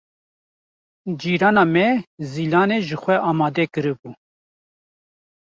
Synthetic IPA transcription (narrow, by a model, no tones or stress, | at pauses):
d͡ʒiːɾɑːnɑːmɛziːlɑːneːʒɨxʷɛʔɑːmɑːd̪ɛkɨɾɨbuː